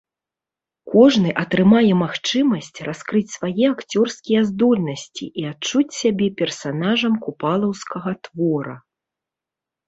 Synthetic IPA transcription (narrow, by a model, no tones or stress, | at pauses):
kɔʐnɨʔɐt̪ɾɨmajɛmaxt͡ʂɨmɐsʲt͡sʲraskɾɨt͡sʲsvajɛakt͡sʲɔrskʲijɛzd̪ɔlʲnɐsʲt͡sʲḭʔiat͡ʂut͡sʲsʲabʲɛpʲɛrsanaʐɐmkupalˠɐwskɐɣɐt̪vɔɾɐ̰